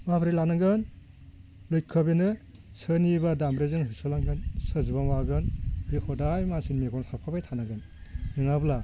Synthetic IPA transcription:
mabɾilanɯŋɡɯn | lojkʰːɯbenɯ | sɯnibadamɾezɯŋɦisɔlaŋɡɯnsɯzɯbamaɡɯnbihɔdajmasinmeɡʰɔnsapʰabajtʰanaŋɡɯn | nɯŋabla

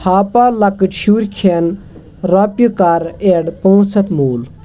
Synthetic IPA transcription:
haːpaːlɐkɨʈʃuːɾʲkʰen | ɾaːpjukaːɾeːɖpoːsɐt̪muːl

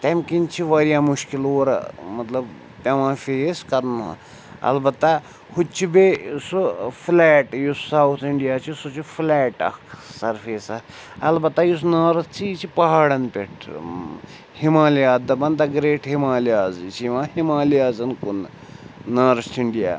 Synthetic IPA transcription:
t̪ɐmʲkint͡ʃʰiʋɐɾijaːmuʃkiloːɾ̰mɐt̪lɐb | t̪ʲɐʋãːfeːskɐɾn̰ | ɐ̰lbɐt̪ːa | hut͡ʃʰibesuflɛːʈjusːawt̪ʰiɳɖijaːt͡ʃʰisut͡ʃʰiflɛːʈɐ̰kʰsɐɾfeːsɐ | ɐlbɐt̪ːajus̬naːɾɐt̪t͡ʃʰit͡ʃʰipɐɦaːɽɐnpʲeʈʰ | himaːlijaːd̪ɐbɐnd̪aɡɾeːʈɦimaːliaːzt͡ʃʰiiʋãːhimaːliaːzɐnkunː | aːɾst̪ʰiɳɖija̰ː

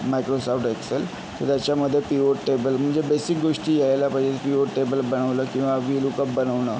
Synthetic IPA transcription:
majkɾosɔfʈeksel | t̪əɾt̪jat͡ɕjaməd̪ʱːjepioʈʈebəlm̤əɳd͡zebesik̚ɡoʂʈiːjajlapəd͡ʑepioʈʈebəlbənəʋləːkĩw̃ʋaʋilukəpbənəʋnə

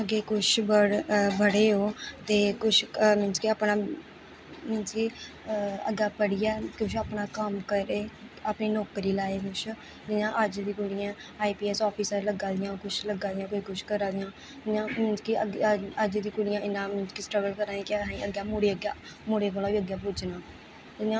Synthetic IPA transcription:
əɡeːkʊʃʰbəɽbəɽeːɦoːt̪eːkʊʃʰmɪnt͡ʃkiaːpnaː | mɪnt͡ʃkiː | əɡaːpəɽɪjɛːkʊʃaːpnaːkəmkəɾeːapniːnɔːkɾiːlaːeːkʊʃʰ | d̪ɪjãːʔəd͡ʒd̪iːkʊɽɪjãːaːiːpiːɛːsɔːpʰiːsələɡãːd̪ɪjãːkʊt͡ʃʰləɡãːd̪ɪjãːkoːiːkʊʃkəɾãːd̪ɪjãː | d̪ɪjãːmɪnt͡ʃkiəɡəd͡ʒd̪iːkʊɽɪjãːʔɪnãːmɪnt͡ʃkisʈɾəɡəlkəɾãːiːkɪɦãiːəɡjaːmuːɽeːəɡaː | moːɽeːkoːlãːʋiːəɡjãːp̬ʊd͡ʒnãː | ɪãː

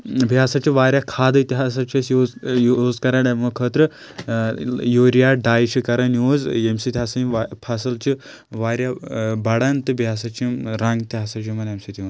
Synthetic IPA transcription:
biaːsat͡ʃiʋaːɾʲjakʰaːd̪ɨit̪ʲiɦaːs̬at͡ʃɐsjoːjoːzkɐɾanɐmɐkʰəːt̪ɾɨ | joːɾijaːɖaːjt͡ʃʰikɐɾɐnjoːzemsit̪ʲiɦaːsɐnipʰasɐlt͡ʃi | ʋaːɾʲjabɐɽaːnt̪ɨbʱjaːsat͡ʃiɾaŋɡt̪ʲiɦaːsat͡ʃʰimɐnjemsit̪imɐ

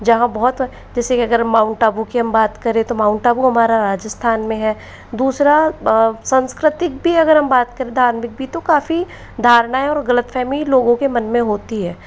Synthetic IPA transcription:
d͡ʒɐɦãbɔɦɔt̪ | d͡ʒɛːsekiɐɡəɾmaːʊ̃ɳʈaːbukiɦɐmbaːt̪kɐɾẽt̪omaːʊ̃ɳʈaːbuɦɐmaːɾaɾaːd͡ʒəst̪ʰaːnmẽɦɛː | d̪uːsɾasə̃nskɾɪt̪ɪk̚bʱiɐɡəɾɦɐmbaːt̪kɐɾẽd̪ʱaːɾmɪk̚bʱit̪okaːfi | d̪ʱaːɾɽaːeɔːɾɣɐlət̪fʰɛːmliloːɡõkemɐnmẽɦoːt̪iɦɛː

